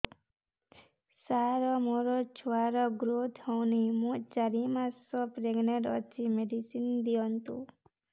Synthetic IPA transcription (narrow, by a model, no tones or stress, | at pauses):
saɾɔmoɾɔt͡ʃʰuaɾɔɡɾot̪ʰhɔwnimũt͡ʃaɾimasɔpɾeɡneɾɔt͡ʃimeɖisind̪ijɔnt̪u